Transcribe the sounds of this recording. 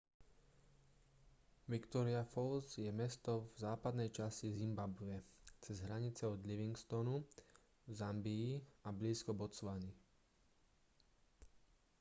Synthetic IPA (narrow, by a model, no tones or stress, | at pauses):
ʋikt̪ɔɾiafɔlzjɛmɛst̪ɔvzaːpad̪nɛjt͡ʃasizimbabʊɛt͡sɛzɦɾaɲit͡sɛɔd̪liʋiŋɡst̪ɔnu | zambiːabliːskɔbɔt͡sʋani